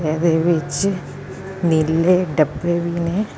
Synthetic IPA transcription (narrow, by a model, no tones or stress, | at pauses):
eðeʋet͡ɕːɨ | nilːeɖɐpːeʋine